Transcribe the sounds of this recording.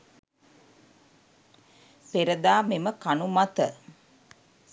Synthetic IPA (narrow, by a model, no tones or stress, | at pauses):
peɾəd̪aːmiməkanumat̪ə